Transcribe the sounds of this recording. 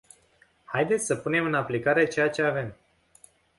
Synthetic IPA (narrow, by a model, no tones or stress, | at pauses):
hajd̪et̪sʲsəpune̞mɨnaplikaɾe̞t͡ʃe̞jat͡ʃe̞ave̞m